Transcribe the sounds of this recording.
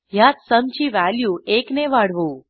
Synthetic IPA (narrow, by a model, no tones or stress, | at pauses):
jat̪səmt͡ʃiʋæljuekneʋaɽʋũ